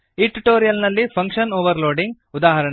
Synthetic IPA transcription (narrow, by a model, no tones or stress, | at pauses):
iʈuʈoːɾijɐlnɐlːipʰɐŋkʂɐnoːʋɐɾloːɖiŋɡ | ud̪aːɦɐɾɐɳ